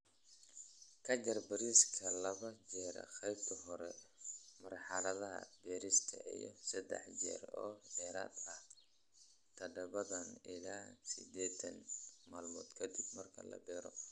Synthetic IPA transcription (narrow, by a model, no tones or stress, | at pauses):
kʰɐt͡ʃɐrbɐɾiːskʰɐlɐβɐd͡ʒɛːɾɐ̰xɛjbk̪ʰɐɦɔɾɛmɐrħɑlɐðɐɦɐ̰bɛːɾist̪ʰɐ̰ʔḭjɞsɐd̪ɛ̰ħd͡ʒɛ̰ːɾɔːd̪ɛːɾa̰ːd̪ɐh | t̪ʰɐɖɐβɐðɐnɪlaːsɪd̪ɛːt̪ʰɐnmaːlmɔ̰ːd̪kʰɐd̪ɪb̚mɐrkʰɐlɐ̰bɛːɾɔ